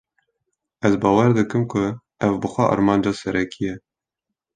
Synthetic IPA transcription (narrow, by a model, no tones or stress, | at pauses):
ɛzbɑːwɛɾd̪ɨkɨmkʰʊ | ɛvbɨxʷɛʔɑ̰ɾmɑːnd͡ʒɑsɛɾʔɛkʰijɛ